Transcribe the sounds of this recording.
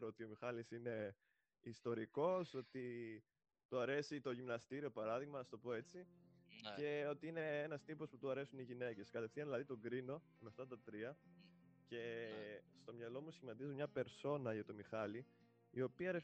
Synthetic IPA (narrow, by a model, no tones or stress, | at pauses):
ɾoot̪io̞mixɐlisine̞ | ist̪o̞ɾiko̞so̞t̪i | t̪uɐɾe̞sit̪o̞ʝimnɐst̪iɾio̞pɐɾɐðiɣmɐnɐst̪o̞po̞e̞t͡si | ce̞o̞t̪iine̞enɐst̪ipo̞sput̪uɐɾe̞suniʝine̞ce̞skɐt̪e̞fθiɐðilɐðit̪o̞ɡɾino̞ | meɐft̪ɐt̪ɐt̪ɾiɐ | ce̞st̪o̞mɲɐlo̞musçimɐt̪izimɲɐpe̞ɾso̞nɐʝɐt̪o̞mixɐli | io̞piɐɾe